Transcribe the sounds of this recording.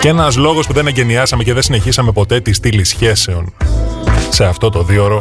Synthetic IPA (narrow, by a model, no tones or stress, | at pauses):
ce̞nɐzlo̞ɣo̞spuðe̞neɲɟe̞niɐsɐme̞ceðe̞nsine̞çisɐme̞po̞t̪e̞t̪ist̪ilisçe̞se̞o̞n | se̞ɐft̪o̞t̪o̞ðio̞ɾo̞